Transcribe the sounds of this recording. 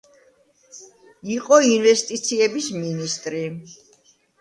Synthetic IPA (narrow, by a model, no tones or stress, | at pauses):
iqʼɔinvɛst̪ʼit̪sʰiɛbisminist̪ʼɾi